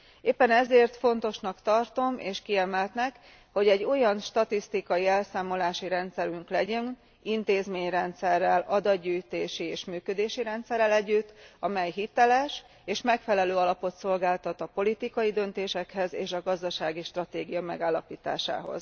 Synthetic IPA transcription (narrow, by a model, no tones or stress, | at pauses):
eːpːɛnɛzeːrt̪fo̞n̪t̪o̞ʃnɒkt̪ɒrt̪o̞mʔeːʃkiɛmɛlt̪nɛk | ho̞ɟɛɟːo̞jɒnʃt̪ɒt̪ist̪ikɒjiɛlsaːmo̞laːʃiɾɛnt̪sɛɾyŋklɛɟɛn | int̪eːzmeːɲrɛnt̪sɛrːɛlɒd̪ɒd̪ɟːyːjt̪eːʃieːʃmyːkød̪eːʃiɾɛnt̪sɛrːɛlɛɟːyt̪ːɒmɛjɦit̪ɛlɛʃ | eːʃmɛkfɛlɛløːɒlɒpo̞t̪so̞lɡaːlt̪ɒt̪ɒpo̞lit̪ikɒjid̪ø̞nt̪eːʃɛkhɛzḛːʃɒɡɒzd̪ɒʃaːɡiʃt̪rɒt̪eːɡijɒmɛ̰ɡaːlːɒpiːt̪a̰ːʃa̰ːɦo̞̰z